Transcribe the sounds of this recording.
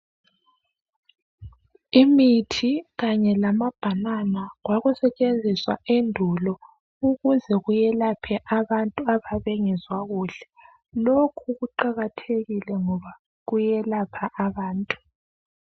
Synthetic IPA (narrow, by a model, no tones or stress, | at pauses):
imitʰiɣaɲɛlamab̥ʱananaɣwaɣusɛt͡ʃʼend͡zʱiswa̰endʱulɔ | uɣuzɛɣujɛlapʰɛʔaβantʼuaβaβɛŋɛzwaɣuːɬɛ̥ | lokʰuɣuǃaɣatʰeɣilɛŋɔβa | ɣujɛlapʰaʔaβaːntʼu̥